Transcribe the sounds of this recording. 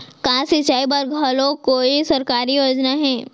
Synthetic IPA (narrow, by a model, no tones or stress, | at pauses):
kãːsit͡ʃaːibɐɾɡʱɐlõkoːisɐɾkaːɾijoːd͡ʒnaɦɛ̃ː